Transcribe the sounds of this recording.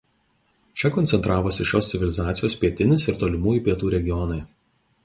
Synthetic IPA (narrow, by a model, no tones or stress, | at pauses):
t͡ʃʲɛkɔnʲsʲɛnt̪ɾɑːʋosʲɪʃʲoːsʲɪʋʲɪlʲɪzɑːt̪sʲɪjoːspʲiɛt̪ʲɪnʲɪsɪɾt̪oːlʲɪmuːjiˑpʲiɛt̪uːɾʲɛɡʲɪjɔnɐɪ